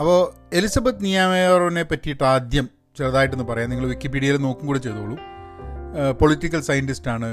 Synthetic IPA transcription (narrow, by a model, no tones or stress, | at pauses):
ɐpːo̞ː | e̞lisɐbɐt̪nijaːmerone̞pɐtːijiʈːɨaːd̪jɐm | t͡ɕerɐðaːjiʈːenːɨpɐrɐjaːniŋːɐɭʋikːipiːɽiɐjleno̞ːkːumɡuːɽet͡ɕe̞jt̪uɣoɭːu | poɭitːikʲːɐlsɐjɐntistaːɳɨ